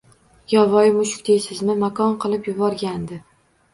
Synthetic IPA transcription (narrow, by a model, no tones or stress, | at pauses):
jɒvɒjɪmʊʃʊ̥kʲd̪ejsɪzmɪmakʰɒnqʰɨlˠɪpjʊbɒɾɡʲand̪ɪ